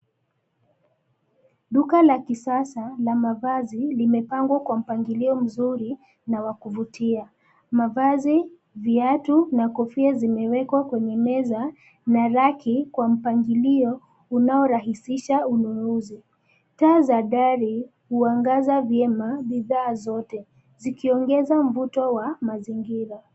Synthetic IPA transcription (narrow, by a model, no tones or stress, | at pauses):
ɗukalakisasalamavazilimɛpaŋɡwakwam̩paŋɡiliɔm̩zuɾi | nawakuvutia | mavazi | viatunakɔfiazimɛwɛkwakwɛɲɛmɛza | naɾakikwam̩paŋɡiliɔ | unaɔɾaɦisiʃaununuzi | taːzaɗaɾi | huaŋɡazavjɛmaɓiðaːzɔtɛ | zikiɔŋɡɛzam̩vutɔwamaziŋɡiɾa